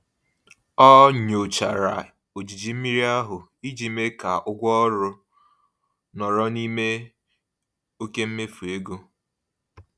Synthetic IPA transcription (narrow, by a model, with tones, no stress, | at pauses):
ɔ˦ɲo˨t͡ʃa˨ɾa̰˨ | o˨d͡ʒi˨d͡ʒi˨m̩˦mi˦ɾi˦a˦ɦʊ˨i˦d͡ʒi˦me˦ka˨ʔʊ˦ɡʷɔ˦ɾʊ˦ | nɔ˨ɾɔ˦ni˦me˦ | o˦ke˦m̩˦me˦fu˨e˦ɡo˦